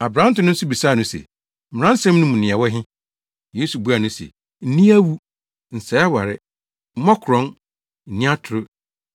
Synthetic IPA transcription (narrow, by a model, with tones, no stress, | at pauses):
a˨bɾã˦n̩˦tʊ̃˦nʊ̃˦n̩˦sʊ˦bi˨saː˦˨nʊ̃˦sḛ˨ | m̩˨ɪ˨ɾã˦n̩˦sɛ̃˦mnʊ̃˦mũ˨nɪ̃˨ɛ˨wɔ˦ɦɪ̃˦ | je˦su˨bu˦a˨nʊ̃˦sḛ˨ | n̩˦nĩ˦æ˦wu˦ | n̩˨sɛ˨˦a˦wa˨ɾɪ˦ | mɔ̃˦kʰɾɔ̃˦n | n̩˨nĩ˦a˦tʰʊ˨ɾʊ˦